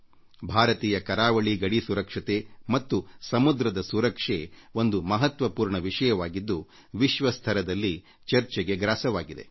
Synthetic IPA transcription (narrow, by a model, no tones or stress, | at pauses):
bʱaːɾɐt̪iːjɐkɐɾaːʋɐɭiɡɐɽisuɾɐkʂɐt̪emɐt̪ːusɐmud̪ɾɐd̪ɐsuɾɐkʂeo̞nd̪umɐɦɐt̪ʋɐpuːɾɳɐʋiʂɐjɐʋaːɡid̪ːu | ʋiʃʋɐst̪ʰɐɾɐd̪ɐlːi | t͡ʃɐɾt͡ʃɛɡe̞ɡɾaːsɐʋaːɡid̪e̞̰